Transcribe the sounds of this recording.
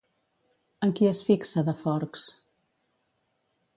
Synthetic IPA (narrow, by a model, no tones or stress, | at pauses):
əŋkiəsfiksəðəfɔɾks